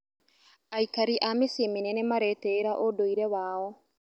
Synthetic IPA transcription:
aikaɾiʔamesemenɛnɛmaɾɛtɛːɾaʔodoiɾɛwaːɔ

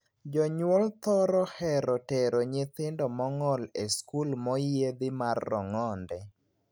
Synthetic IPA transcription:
d͡ʒɔɲwolt̪ɔɾɔhɛɾɔtɛɾoɲɪt̪ɪndɔmɔŋɔleskulmɔjed̪ɪmarːɔ̰ŋɔndɛ

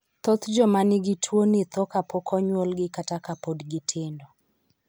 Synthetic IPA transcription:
t̪ɔt̪d͡ʒɔmanɪɡɪtʰwonɪt̪ɔkapɔkʰɔɲwolɡɪkatakapodɡɪtʰɪndɔ

